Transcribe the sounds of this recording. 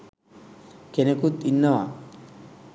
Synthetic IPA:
kenekut̪inːawa

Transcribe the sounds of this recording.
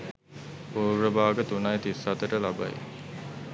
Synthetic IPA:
puːɾəbaːɡət̪unajt̪isat̪əʈəlaba̰j̰

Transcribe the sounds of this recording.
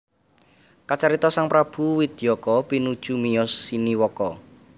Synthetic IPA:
kat͡ʃaɾit̪ɔsaŋpɾab̥ṳwid̪̥ijɔkɔpinud̥ʒ̥ṳmijɔsːiniwɔkɔ

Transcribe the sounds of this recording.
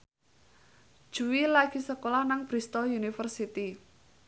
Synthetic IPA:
d̥ʒ̥uwilaɡ̥i̤səkolahnaŋb̥ɾist̪ɔjunifərsit̪i

